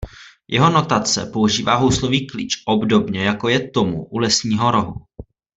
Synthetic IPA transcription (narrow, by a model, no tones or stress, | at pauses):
jʔɛɦo̞no̞t̪at͡sɛ̰po̞uʒiːvaːɦowsloviːklḭːt͡ʃʔobdobɲɛjako̞jɛt̪o̞muʔulɛsɲiːɦo̞ɾo̞ɦu